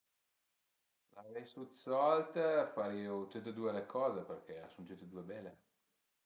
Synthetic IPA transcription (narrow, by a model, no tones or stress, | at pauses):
lʔavɛjsut̪sɔlt̪faɾiut̪ut̪ed̪uelekʰɔːzeperk̟easunt̪it̪ed̪uebɛlːe